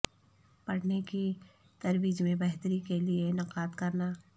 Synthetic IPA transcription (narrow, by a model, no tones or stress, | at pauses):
pɐɽneki | t̪ɐɾwiːd͡ʒmẽbɛɦt̪ɾikelienɪqaːd̪kɐɾnaː